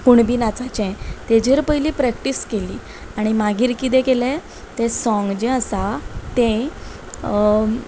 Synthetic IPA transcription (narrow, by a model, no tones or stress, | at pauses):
kuɳbiːnat͡sat͡ɕɛ̃t̪ed͡ʑeɾpəjliːpɾɛkʈiskeliː | aɽ̃imaɡiːɾkit̪̬ɛ̃kelɛ | t̪ẽsɔ̃ŋɡd͡ʑẽəsat̪ẽ